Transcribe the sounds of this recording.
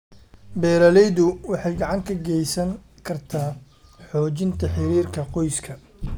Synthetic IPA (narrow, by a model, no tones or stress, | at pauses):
bɛːɾɐlɛjðʊwɑħɑjɡɑʕɑŋkʰɐɡɛjsɐŋ | kʰɐrt̪ʰaː | ħɔːt͡ʃɪnt̪ʰɐħɪɾiːrkʰɐqɔjskʰɐ